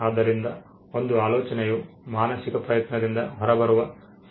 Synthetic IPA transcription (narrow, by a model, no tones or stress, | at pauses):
aːd̪ɐɾind̪ɐ | o̞nd̪uaːlɔːt͡ʃɐneju | maːnɐsikɐpɾɐjɐt̪nɐd̪ind̪ɐɦɔɾɐbɐɾuʋɐ | s